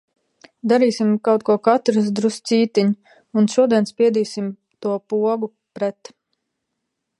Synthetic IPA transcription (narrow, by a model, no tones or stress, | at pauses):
d̪aɾiːsimkawt̪̚kuɔkat̪ɾs̬d̪ɾussiːt̪iɲ | unʃuɔd̪iɛnspʲiɛd̪iːsim | t̪uɔpuɔɡu | pɾɛt̪